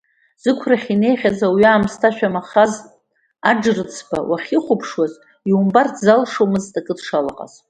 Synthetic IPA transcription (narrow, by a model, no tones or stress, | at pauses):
z̥ɨkʷʰraχʲine̞jχʲazawaːmstʰaʃᶣamaχaz | aɖ͡ʐrɨt͡sʰba̰waχʲiχʷʊpʰʂwaz | iumbartʰzalʂomɨztʼakʼɨdʂala̰qʼa̰z̥